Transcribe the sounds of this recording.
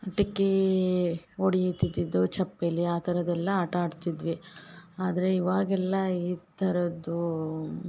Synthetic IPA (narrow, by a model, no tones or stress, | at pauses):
ɐʈikːe | oɽijit̪id̪id̪ːut͡ʃɐpːelːiaːt̪ʰɐɾɐd̪ɛlːɐːʈaːɖt̪id̪ʋiaːd̪ɐɾe̞iʋaːɡɛlːɐiːt̪ʰɐɾɐd̪u